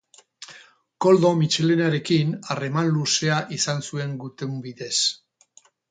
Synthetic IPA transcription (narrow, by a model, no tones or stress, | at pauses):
ko̞ld̪o̞mit͡ʃe̞le̞naɾe̞kinare̞manluse̞aʔisansue̞ŋɡut̪embiðe̞s